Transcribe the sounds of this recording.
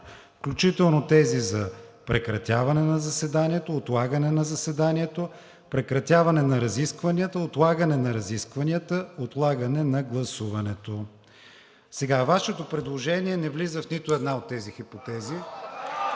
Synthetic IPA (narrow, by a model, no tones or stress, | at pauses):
fklʲut͡ʃit̪ɛlˠnot̪ɛzizɐpɾɛkɾɐt̪ʲjavɐnɛnɐzɐsɛd̪aniɛt̪oːt̪lˠaɡənɛnɐzɐsɛd̪aniɛt̪o | pɾɛkɾɐt̪ʲjavɐnɛnɐɾɐziskvɐnʲiət̪əot̪lˠaɡənɛnɐɾɐziskvɐniət̪əot̪lˠaɡənɛnɐɡlˠɐsuvɐnɛt̪o | sɛɡavaʃɛt̪opɾɛd̪lˠoʒɛniɛnɛvlizəfnit̪oɛd̪naot̪ːɛzixipot̪ɛzi